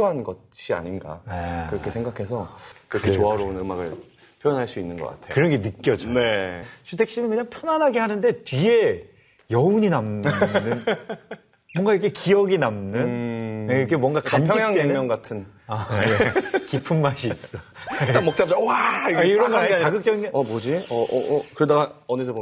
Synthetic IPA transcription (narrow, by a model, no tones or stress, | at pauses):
oɦanɡʌɕʰia̰ɲinɡa̰kɯɾʌkʰe̞sʰeŋɡakʰe̞sʰʌkɯɾʌket͡ɕoɦaɾounɯmaɡɯ̰ɭ | pʰjojʌnɦaɭs͈uinːɯnɡʌk͈a̰tʰekɯɾʌŋɡenɯk͈jʌd͡ʑonet͡ɕʰutʰe̞kɕ͈inɯnkɯɲaŋpʰjʌnanɦaɡehanɯnde̞tɥie̞ | jʌuɲinamnɯn | mwwʌŋɡaiɾkʰekiʌɡinamnɯnnikʰemwʌŋɡakamnd͡ʑʰjijaŋeŋɲʌŋɡatʰɯn | aekipʰɯmːaɕiːs͈ʌt͈amʌk̚t͡ɕ͈ap̚t͡ɕ͈awaiaiɡɾʌnaɾaiaɡɯk̚t͡ɕ͈ʌɡindeʌbod͡ʑiʌkɯɾedaɡaʌnesʰʌbo